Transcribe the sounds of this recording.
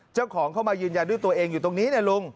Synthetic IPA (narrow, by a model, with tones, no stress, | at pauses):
t͡ɕa˥˩wkʰɔː˩˦ŋkʰa˥˩wmaː˧jɯː˧nja˧ndu˥˩jt̪u˧ɐʔeː˧ŋjuː˨˩t̪o˧ŋniː˦˥n˥˩lu˧ŋ